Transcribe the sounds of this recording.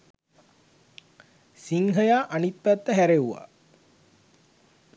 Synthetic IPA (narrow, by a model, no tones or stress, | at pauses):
siŋɦəjaːʔanit̪̚pæt̪ːəɦæɾeuʋa̰ː